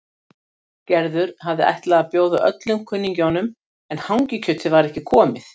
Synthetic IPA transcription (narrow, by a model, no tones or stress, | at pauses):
cɛɾðʏɾ̥ɦavðɪʔa̰jht̪laɣapjoːwðaʔœ̰t̪lʏmkʰʏnːiɲcawnʏm | ɛnhawŋcɪcʰœt̪ʰɪvaɾɛhcɪkʰɔːmɪθ